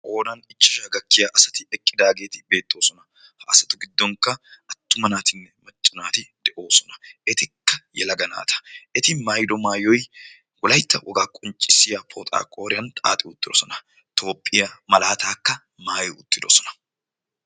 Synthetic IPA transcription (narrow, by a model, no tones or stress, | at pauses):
ʔo̞ːd̪ɐnɪt͡ʃːɪʃɐɡɐkːɪjɐʔɐsɐt̪ɪɛkʼːɪd̪aːɡe̞ːt̪ɪbe̞ːt̪ʼːo̞ːsɔnɐ | hɐɐsɐt̪ʊɡɪd̪ːɔŋkːɐɐt̪ːʊmɐnaːt̪ɪnːɛmɐt͡ʃʼːɪnaːt̪ɪd̪̥ɛʔo̞ːsɔnɐɛt̪ɪkːɐjɛ̰lɐɡɐna̰ːt̪ʰɐ̥ɛt̪ɪmaːjd̪ɔmaːjɔj | wɔlɐjt̪ːɐwʔɔɡaːkʼʊnt͡ʃʼːɪsɪjɐpʰoːt̪ʼa̰ːkʼoːɾɪjɐnt̪ʼa̰ːt̪ʼɪʊt̪ʼːɪd̪ɔsɔnɐ | t̪ʰo̞ːpʼːɪjɐmɐlaːt̪aːkːɐ | maːjʊʊt̪ːɪd̪ɔsɔnɐ̥